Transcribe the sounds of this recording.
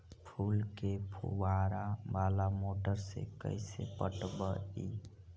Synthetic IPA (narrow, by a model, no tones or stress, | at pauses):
pʰulkepʰṵwaɾabalamoʈəɾsḛkə̰ɪsḛpəʈbəi